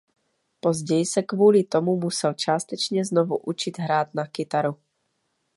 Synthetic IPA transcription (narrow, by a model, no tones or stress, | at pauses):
pɔzɟɛjsakʋʊɔlit̪ɔmumusɛlt͡ʃɪast̪ɛt͡ʃɲɛznɔʋuʔut͡ʃiɟɦɾaːd̪̚nakit̪aɾu